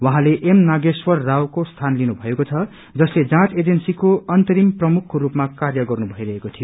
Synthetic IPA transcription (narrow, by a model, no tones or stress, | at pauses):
wʌɦãleʔemnaɡeswʌrːawkost̪ʰanlinubʱʌekot͡sʰʌ | d͡zʌsled͡zãt͡sed͡zensikoʌnt̪ʌɾimprʌmukʰːoɾupmakarjʌɡʌrnubʱʌiɾʌɦekot̪ʰijo